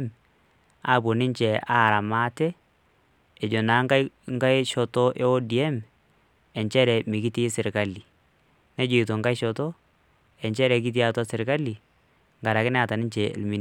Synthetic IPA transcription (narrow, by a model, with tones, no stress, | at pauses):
m | a˦˨bo˨nɪ˦nt͡ʃɛ˨aː˦˨ɾa˨maː˦tɛ˦ | ɛ˨d͡ʒo˨naː˨˦ŋka˦ŋɡa˦jʃɔ˨tɔ˦ʔe˦o˦di˨ɛ˦m | ɛ˨ɲt͡ʃɛ˦ɾɛ˨mɪ˨kɪ˦ti˦sɪ˨ɾka˦li˨ | nɛ˦d͡ʒo˨i˨t̬o˨ŋɡa˦jʃɔ˨tɔ˦ | ɛ˨ɲt͡ʃɛ˦ɾɛ˨˦k̬ɪ˦t̬i˦a˦ta˦sɪ˨ɾka˦li˨ | ŋɡa˨ɾa˨kɪ˦nɛ˦a˨ta˨nɪ˦ɲt͡ʃɛ̰˨lmi˦n